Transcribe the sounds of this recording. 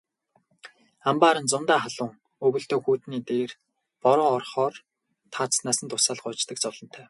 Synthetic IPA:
ampaːɾə̆nt͡sʊnt̪aːχaɮʊːŋ | ɵɣɵ̆ɬt̪oːxuːt̪niːt̪eːr | pɔɾʊːɔrχɔːr | t̪ʰaːt͡ssnaːsə̆nt̪ʰʊsaːɮχʊːt͡ɕt̪ə̆kt͡sʊɮɞ̆n̥t̪ʰæː

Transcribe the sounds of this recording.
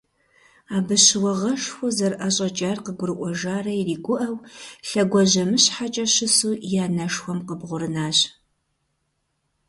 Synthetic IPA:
aːbɨɕɪwɐʁɐʂxʷʊzɐrʔɐɕʼɐt͡ʃʼaːrqəɡʷʊɾɨʔʷɔʒaːrɐiriːɡʷʊʔɐwɬɐɡʷɔʑɐmɨɕħat͡ʃʼɐɕɪsuːjaːnɐʂxʷɔmqəbʁʷʊɾɨnaːɕ

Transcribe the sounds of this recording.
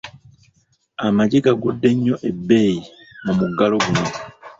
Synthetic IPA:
amaɟiɡaɡudːe̞ɲːo̞ʔebːe̞ːji | namuɡalo̞ɡuloi

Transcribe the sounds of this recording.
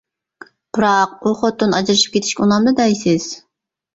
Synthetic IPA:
pʰɨɾɑq̚oχot̪ːunɑd͡ʒɾɨʃɯ̥p̚kʰʲet̪ʰi̥ʃkʲɛunɑmd̪ɨd̪ɑjsɪz̥

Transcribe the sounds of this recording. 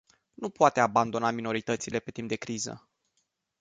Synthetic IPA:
nupoat̪eaband̪o̞namino̞ɾit̪ət̪sile̞pe̞t̪imp̚d̪e̞kɾizə̰

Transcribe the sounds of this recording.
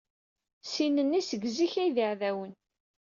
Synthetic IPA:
sinənːisəɡziçæjðiʕðæwən

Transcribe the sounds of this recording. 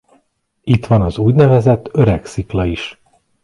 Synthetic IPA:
it̪ʋɒnɒzuːɟnɛvɛzɛt̪ːøɾɛksiklɒiʃ

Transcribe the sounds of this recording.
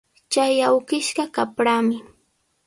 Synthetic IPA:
t͡ʃajawɢɪʃɢɑkapɾaːmɪ

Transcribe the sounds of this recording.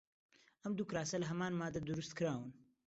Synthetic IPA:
ʔɐmd̪ukɾaːsɐlɐɦɐmaːnmaːd̪ad̪uɾust̪kɨɾaːwɨn

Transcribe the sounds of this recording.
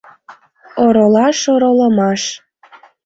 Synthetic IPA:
oɾolɑʃoɾoləmɑʃ

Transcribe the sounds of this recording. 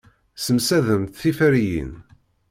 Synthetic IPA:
səmsæðəmθθifæɾijḭn

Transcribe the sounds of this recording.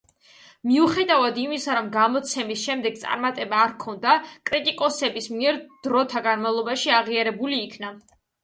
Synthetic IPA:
miuχɛd̪avad̪imisaɾɔmɡamɔt̪sʰɛmisʃɛmd̪ɛɡ̚t̪sʼa̰ɾmat̪ʼɛbaːɾkʰɔnd̪akʼɾit̪ʼikʼɔsɛbismiɛɾd̪̥ɾɔt̪ʰaɡanmavlˠɔbaʃiaʁiaɾɛbuliːkʰna

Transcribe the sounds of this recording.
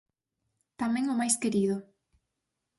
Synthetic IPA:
t̪amɛ̃ŋʊmajskeɾiðʊ

